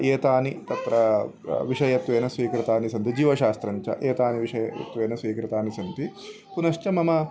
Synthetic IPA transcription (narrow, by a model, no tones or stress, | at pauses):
eːt̪aːnit̪ɐt̪ɾɐ | ʋiʂɐjɐt̪ʋeːnɐsʋiːkɾɪt̪aːnisɐnt̪id͡ʒiːʋɐʃaːst̪ɾɐɲt͡ʃɐ̰ʔeːt̪aːniʋiʂɐjɐjɐ̰t̪ʋeːnɐsʋiːkɾɪt̪aːnisɐnt̪i | punɐʃt͡ʃɐmɐmɐ